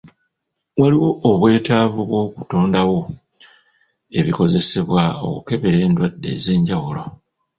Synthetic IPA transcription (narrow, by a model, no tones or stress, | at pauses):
waliwo̞ːβwe̞ːtaːvuβwo̞ːku̥to̞ːndawo̞ | e̞βiko̞ze̞se̞βwao̞̰kuke̞βe̞ɾe̞ːndwadːe̞̰ːze̞ːɲɟawulo̞